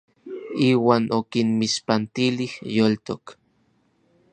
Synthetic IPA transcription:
iːwaːnʔokinmiʃpant̪ilihjolt̪ok

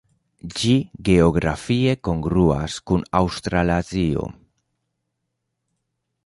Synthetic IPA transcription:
d͡ʒiɣeoɣɾafiekoŋɡɾua̰skunawst̪ɾalazio̰

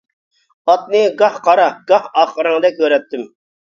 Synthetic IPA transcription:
ɑt̪̚nɨɡɑhqʰɑɾɑɡɑhɑχəɾɨŋd̪ɛkʲʰøɾɛt̪ːɪm

